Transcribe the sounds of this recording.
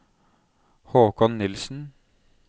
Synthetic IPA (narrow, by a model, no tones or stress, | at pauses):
hoːkɑnnɪlsn̩